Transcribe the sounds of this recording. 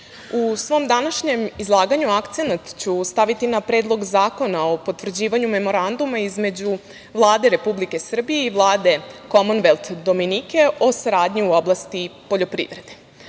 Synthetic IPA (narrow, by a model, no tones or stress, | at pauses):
usʋo̞md̪anaʃɲe̞mizlˠaːɡaɲuakt̪senat̪t͡ɕust̪aʋit̪inapɾeːd̪lˠo̞ɡzaːko̞nao̞po̞t̪ʋr̩d͡ʑiːʋaɲume̞mo̞ɾand̪umaizme̞d͡ʑu | ʋlˠaːd̪e̞ɾe̞publike̞sr̩bijeiʋlˠaːd̪e̞ko̞monʋelˠt̪d̪o̞minike̞ʔo̞saɾaːd̪ɲiuoblˠast̪ipo̞ʎo̞pɾḭːʋɾe̞d̪e̞